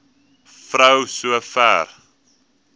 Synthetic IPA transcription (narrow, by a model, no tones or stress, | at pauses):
frəwsuəfæ̰ːr